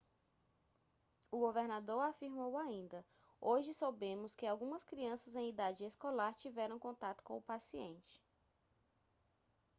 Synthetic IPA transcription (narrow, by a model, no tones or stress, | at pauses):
ʊɡoveɾnad̪oɾafiɾmowaĩnd̪ɐ | oʒɪsowbẽmʊskɪawɡũmɐskɾiɐ̃sɐzẽj̃id̪ad͡ʒɪeskolaɾt͡ʃivɛɾɐ̃w̃kõnt̪at̪ʊ̥kõʊpasiḛ̃nt͡ʃɪ̥